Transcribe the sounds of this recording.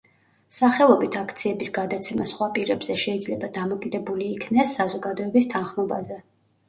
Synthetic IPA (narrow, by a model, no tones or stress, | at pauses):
saχɛlˠɔbit̪ʰakʰt̪sʰiɛbisɡad̪at̪sʰɛmasχwapʼiɾɛbz̥ɛʃɛid̪zlɛbad̪amɔkʼid̪ɛbuliːkʰnɛsːazɔɡad̪ɔɛbist̪ʰanχmɔba̰zɛ